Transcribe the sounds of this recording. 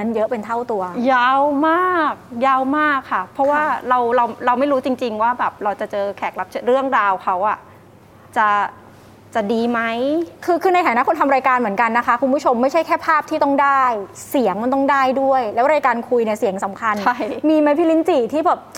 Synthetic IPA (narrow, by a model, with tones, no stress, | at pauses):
na˦˥njɤ˦˥ʔpe˧nt̪ʰa˥˩wt̪u˧ɐjaː˧˥˩wmaː˥˩k̚jaː˥˩wmaː˥˩kʰːa˥˩pʰɾɔ˦˥waː˥˩ɾa˧wɾa˧wɾa˧wma˥˩jɾuː˦˥t͡ɕi˧ŋt͡ɕi˧ŋwaː˥˩bɛː˨˩p̚ɾa˧wt͡ɕa˨˩t͡ɕɤː˧kʰɛ˨˩k̚la˦˥p̚t͡ɕʰɾɯ˥˩əŋɾaː˧wkʰa˦˥wʔa˨˩ | t͡ɕa˨˩ | t͡ɕa˨˩diː˧ma˦˥jkʰɯː˧kʰɯː˧na˧jt̪ʰaː˩˦n˦˥kʰo˧nt̪ʰa˧mɾaː˧jkaː˧nmɯ˩˦nka˧nːa˦˥kʰa˦˥kʰu˧npʰu˦˥t͡ɕʰo˧mːa˥˩jt͡ɕʰa˥˩jkʰɛː˥˩pʰaː˥˩p̚t̪ʰiː˥˩t̪ɔ˥˩ŋdaː˥˩jsi˨˩˦əŋma˧nt̪ɔ˥˩ŋdaː˥˩jdu˥˩əjlɛː˦˥wɾaː˧jkaː˧nkʰu˧jni˥˩si˨˩˦əŋsa˩˦mkʰa˧nʰa˥˩jmiː˧ma˦˥jpʰiː˦˥li˦˥nt͡ɕiː˨˩t̪ʰiː˥˩bɛː˨˩p̚